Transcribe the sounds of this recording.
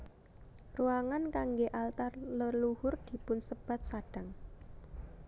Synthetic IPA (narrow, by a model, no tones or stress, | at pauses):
ruaŋankaŋɡeʔalt̪arləluhʊrd̪̥i̤pʊnsəb̥a̤t̪̚saɖ̥ä̤ŋ